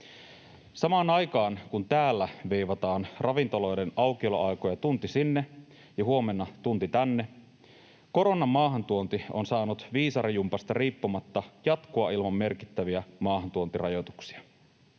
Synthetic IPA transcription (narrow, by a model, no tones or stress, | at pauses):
sɑmɑːnɑjkɑːnkunt̪æːlːæʋejʋɑt̪ɑːnrʔɑʋint̪o̞lo̞jde̞nɑwkio̞lo̰ʔɑjko̞jɑt̪unt̪isinːe̞ | jɑɦuo̞me̞nːɑt̪unt̪it̪ænːe̞ | ko̞ɾonːɑmːɑːɦɑnt̪uont̪io̞nsɑːnut̪ʋiːsɑɾijumpɑst̪ɑriːpːumɑt̪ːɑjɑt̪koɑilmɑmːe̞rki̥t̪ːæʋiæmɑːhɑnt̪uont̪irɑjo̞t̪u̥ksi̥ɑ